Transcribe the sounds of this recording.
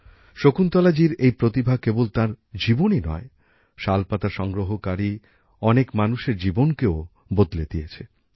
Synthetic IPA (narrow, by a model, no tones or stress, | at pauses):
ʃokunt̪ɔlad͡ʑiɾejpɾot̪ibʱakebolt̪aɾd͡ʑiboninɔ̰e | ʃalpat̪aʃɔŋɡɾoɦokaɾi | ɔnekmanuʃeɾd͡ʑibonkeo | bod̪led̪ijet͡ɕʰe